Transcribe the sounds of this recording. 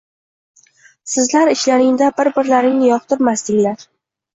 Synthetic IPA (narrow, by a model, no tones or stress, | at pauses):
sɪzlaɾɪʃlaɾɪŋd̪abɪɾbɪɾlaɾɪŋnɪjɒqt̪ʰɪɾmast̪ɪŋʲlaɾ